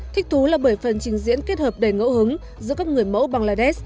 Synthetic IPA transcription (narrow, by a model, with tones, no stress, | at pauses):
t̪ʰï˥k̟̚t̪ʰu˨˦laː˨˩ɓə˧˩jfə˨˩nt͡ɕï˨˩ŋ̟zḭ˧˥ənke˦˥t̚həː˨˩p̚ɗe˨˩ŋə̰˧˥wɦɨ˨˦ŋ | zɨ̰˧˥əkaː˦˥k̚ŋɨ˨˩əjmə̰˧˥wɓaː˨˩ŋlaː˧˩ɗɛ˦˥s